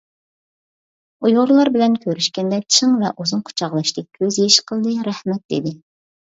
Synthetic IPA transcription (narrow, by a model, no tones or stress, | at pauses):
ujoɾlˠɑɾbɪlɛnkʲʰøɾyʃkʲɛnd̪ɛt͡ʃʰəŋvɛ̰ʔuzunqʰʊ̥t͡ʃʰɑʁlˠɑʃt̪ɪk̚ʲkʲʰøzjeʃqʰəlˠd̪ɨɾɛhmɛt̪̚d̪ḛd̪ɪ